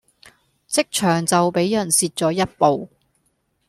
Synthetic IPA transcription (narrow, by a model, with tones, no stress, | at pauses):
t͡sɪ˥k̚t͡ʃʰœː˨˩ŋt͡sɐ˨wpe˨˥jjɐ˨˩nsiː˨˧t̚t͡sɔː˨˥jɐ˥t̚po˨w